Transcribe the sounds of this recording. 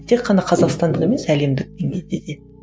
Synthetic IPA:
t̪ʰeqʰːɑnɑqʰɑzɑqst̪ɑnd̪əqe̞me̞sæle̞md̪ɪk̚d̪eŋɡʲe̞jd̪ed̪e̞

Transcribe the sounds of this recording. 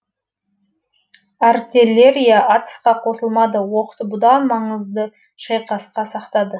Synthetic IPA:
ɑrt̪ilʲe̞ɾijaʔɑt̪ə̥sqɑqʰo̞səlˠmɑd̪əwoqə̥t̪əbʊd̪ɑnmɑɴəzd̪ə | ʃɑjqɑsqɑsɑqt̪ɑd̪ə

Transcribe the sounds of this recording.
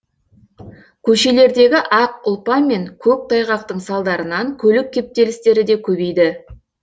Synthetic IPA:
kʲʰɵʃe̞le̞ɾd̪e̞ɡʲɪʔɑqʊlˠpɑme̞ŋkʲʰɵk̚t̪ʰɑjʁɑq̚t̪əɴsɑlˠd̪ɑɾənɑŋkʲʰɵlɪkʲːe̞p̚t̪e̞lɪst̪e̞ɾɪd̪e̞kʲʰɵbe̞jd̪ɪ

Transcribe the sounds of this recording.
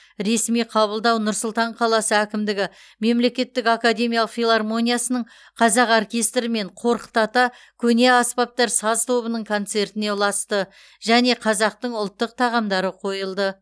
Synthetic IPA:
ɾe̞smijqʰɑβəlˠd̪ɑwnʊɾsʊlˠt̪ɑɴqʰɑlˠɑsəækʲɪmd̪ɪɡʲɪ | me̞mle̞kʲe̞t̪ːɪkakad̪ʲe̞mʲijalˠəqfʲilˠarmo̞nʲijasənəɴ | qʰɑzɑqorkʲe̞st̪ɾɪme̞ɴqʰo̞ɾqə̥t̪ɑt̪ɑ | kʲʰɵne̞ɑspɑp̚t̪ɑɾsɑzt̪ʰo̞βənəɴkʰo̞nt̪se̞ɾt̪ɪne̞lˠɑst̪ə | ʒæne̞qʰɑzɑq̚t̪əɴʊlˠt̪ːəq̚t̪ʰɑʁɑmd̪ɑɾəqʰo̞jəlˠd̪ə

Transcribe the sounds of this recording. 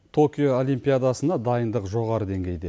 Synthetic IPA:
t̪ʰo̞kʲijoolijmpʲijad̪ɑsənɑd̪ɑjənd̪əqʒo̞ʁɑɾəd̪e̞ŋɡʲe̞jd̪ḛ

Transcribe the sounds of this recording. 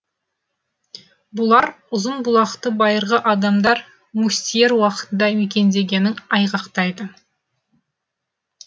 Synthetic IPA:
bʊlˠɑɾ | ʊzənbʊlˠɑqt̪əbɑjəɾʁəʔɑd̪ɑmd̪ɑɾ | musʲt̪ije̞ɾwɑqə̥t̪ənd̪ɑwʏkʲe̞nd̪e̞ɡʲe̞nɪŋɑjʁɑqt̪ɑjd̪ə

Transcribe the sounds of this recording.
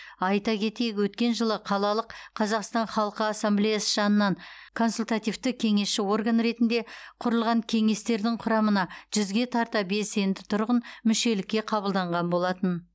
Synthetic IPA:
ɑjt̪ɑkʲʰe̞t̪e̞jɪkʲwɵt̪kʲe̞nʒəlˠəqʰɑlˠɑlˠəqqʰːɑzɑqst̪ɑnχɑlˠəqəasːamblʲejasəʒɑnənːɑɴkʰo̞nsulʲt̪at̪ijft̪ɪkʲʰe̞ŋe̞sʃɪwo̞rɡanɾe̞t̪ɪnd̪e̞qʰʊɾəlˠʁɑŋkʲʰe̞ŋe̞st̪e̞ɾd̪ɪŋqʰʊɾɑmənɑʒ̥ʏzɡʲe̞t̪ʰɑɾt̪ɑbe̞se̞nd̪ɪt̪ʰʊɾʁənmʏʃe̞lɪkʲːe̞qʰɑβəlˠd̪ɑɴʁɑnbo̞lˠɑt̪ən

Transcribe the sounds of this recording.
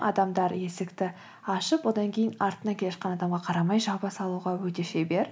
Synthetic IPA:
ʔɑ̰d̪ɑmd̪ɑɾje̞sɪkt̪ɪ | ɑʃəpwo̞d̪ɑŋkʲʰe̞jɪnɑɾt̪ənɑkʲʰeeʃqɑnɑd̪ɑmʁɑqʰɑɾɑmɑjʒɑwpəsɑlˠuʁɑwɵt̪e̞ʃebe̞ɾ

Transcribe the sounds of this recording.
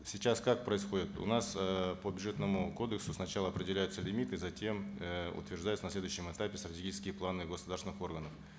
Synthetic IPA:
sʲit͡ɕaskak̚pɾəɪsxo̞dʲɪt̪ʊ̰nasəpəbʲʏdʐɛt̪nəmʊko̞d̪əksʊsnɐt͡ɕalˠəɐpɾʲɪdʲɪlʲæjʊt̪səlʲɪmʲit̪ɨːzɐtʲʰe̞mʊ̰t̪vʲɪrʐd̪ajʊt̪snɐslʲe̞d̪ʊjʏɕːɪmɛt̪apʲɪst̪ɾətʲeɡʲit͡ɕɪskʲɪjəplˠanɨɡəsʊd̪aɾsɪnɨxo̞rɡənəf

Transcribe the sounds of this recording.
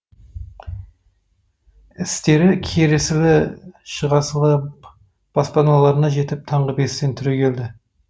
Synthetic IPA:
ɪst̪e̞ɾɪkʲʰeɾesɪlɪʃəʁɑsəlˠə | b̥ɑspɑnɑlˠɑɾənɑʒe̞t̪ɪp̚t̪ʰɑɴʁəbe̞st̪e̞nt̪ʰʏɾe̞kʲʰe̞ld̪ɪ

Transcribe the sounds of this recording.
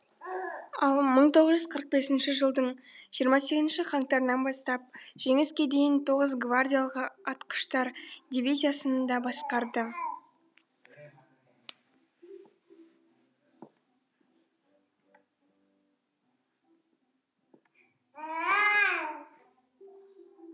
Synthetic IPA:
ɑlˠməɴt̪ʰo̞ʁəzʒʏzqʰəɾəq̚be̞sɪnʃɪʒəlˠd̪əɴʒ̥ijəɾmɑse̞ɡʲkʲɪzɪnʃɪχɑŋt̪ɑɾnɑnbɑst̪ɑp̚ʒ̥e̞ŋɪskʲe̞d̪e̞jɪnt̪ʰo̞ʁəzɡvardʲijalˠəqɑt̪qə̥ʃt̪ɑɾd̪ʲivʲizijasənənd̪ɑbɑsqɑɾd̪ə

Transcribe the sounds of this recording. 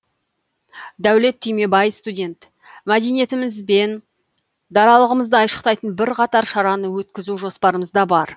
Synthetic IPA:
d̪æwle̞t̪ʰːʏjme̞bɑjəfst̪udʲe̞nt̪ | mæd̪e̞jnije̞t̪ɪmɪzbe̞n | d̪ɑɾɑlˠəʁəməzd̪əɑjʃə̥qt̪ɑjt̪ənbɪɾqʰɑt̪ɑɾʃɑɾɑnəwɵt̪̚kʲɪzuʒo̞spɑɾəməzd̪ɑbɑɾ

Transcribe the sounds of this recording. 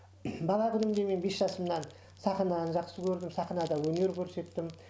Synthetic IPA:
bɑlˠɑkʲʰʏnɪmd̪e̞me̞nbe̞sʒɑsəmnɑn | sɑχənɑnʒɑqsəkʲʰɵɾd̪ɪmsɑχənɑd̪ɑwɵne̞ɾkʲʰɵɾse̞t̪ːɪm

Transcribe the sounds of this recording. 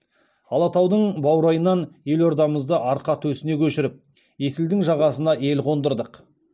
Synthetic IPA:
ɑlˠɑt̪ɑwd̪əɴbɑwɾɑjənːɑnje̞lo̞ɾd̪ɑməzd̪əʔɑɾqɑt̪ʰwɵsɪne̞kʲʰɵʃɪɾɪp̚ | je̞sɪld̪ɪŋʒɑʁɑsənɑe̞lqʰo̞nd̪əɾd̪əq

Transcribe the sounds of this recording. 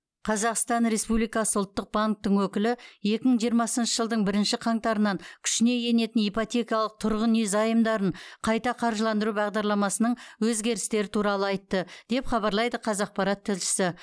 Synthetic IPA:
qʰɑzɑqst̪ɑnɾe̞spublijkɑsəʊlˠt̪ːəq̚baŋk̚t̪əɴwɵkʲɪlɪje̞kʲɪməɴʒijəɾmɑsənʃəʒəlˠd̪əɴbɪɾɪnʃɪqʰɑŋt̪ɑɾənɑŋkʲʰʏ̥ʃɪne̞je̞ne̞t̪ɪnijpot̪ʲe̞kʲijɑlˠəq̚t̪ʰʊɾʁənezɑjəmd̪ɑɾəɴqʰɑjt̪ɑqʰɑɾʒəlˠɑnd̪əɾubɑʁd̪ɑɾlˠɑmɑsənəɴwɵzɡʲe̞ɾɪst̪e̞ɾɪt̪ʰuɾɑlˠəɑjt̪ːəd̪̥e̞pχɑbɑɾlˠɑjd̪əqʰɑzɑq̚pɑɾɑt̪ʰːɪlʃɪ̥sɪ

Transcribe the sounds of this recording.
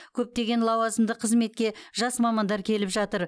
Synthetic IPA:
kʲʰɵp̚t̪e̞ɡʲe̞nlˠɑwɑzəmd̪əqʰəzme̞t̪̚kʲe̞ʒɑsmɑmɑnd̪ɑɾkʲʰe̞lɪpʒɑt̪əɾ

